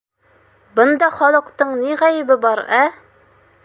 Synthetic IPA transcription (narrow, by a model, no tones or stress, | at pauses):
bɤnd̪ɑχɒlˠɤ̆qt̪ɤɴniʁæjɘ̆bɘbɑɾæ